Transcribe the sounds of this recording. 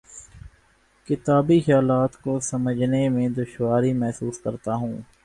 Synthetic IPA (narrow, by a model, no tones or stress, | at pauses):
kɪt̪aːbixjaːlaːt̪kosɐməd͡ʒʱnemẽd̪ʊʃʋaːɾimɛɦsuːskɐɾt̪aɦũː